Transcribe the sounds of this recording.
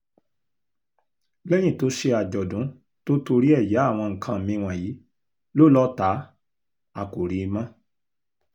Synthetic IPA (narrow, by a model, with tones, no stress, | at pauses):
lɛ˦j̃ĩ˦˨to˨˦ʃe˧a˨d͡ʒɔ˨dũ˨˦ | to˦to˧ɾi˦ɛ˦˨ja˨˦a˦˨w̃ɔ̃˧ŋ̩˨kʰã˧˨mĩ˧w̃ã˨ji˨˦ | lo˦˨lɔ˦ta˨˦ | a˨ko˨ɾi˨˧i˧mã˦